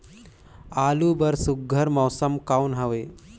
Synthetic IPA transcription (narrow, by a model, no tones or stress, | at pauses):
alubəɾsuɡʱəɾmɔwsəmkawnɦaʋe